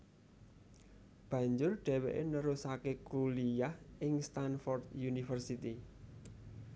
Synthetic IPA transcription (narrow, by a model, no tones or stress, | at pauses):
b̥ä̤ɲd͡ʒʊrɖ̥e̤wḛʔenəɾusakekulijahʔɪŋst̪anfɔrd̪junifərsit̪i